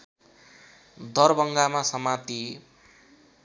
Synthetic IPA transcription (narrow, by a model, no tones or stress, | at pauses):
d̪ʌrbʌŋɡamasʌmat̪i